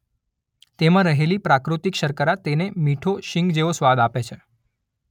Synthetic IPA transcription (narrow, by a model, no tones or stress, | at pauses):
t̪emãɾəɦelipɾakɾut̪ikʃəɾkəɾat̪enemiʈʰoʃɪ̃ŋɡd͡ʒeʋosʋad̪apet͡ʃʰe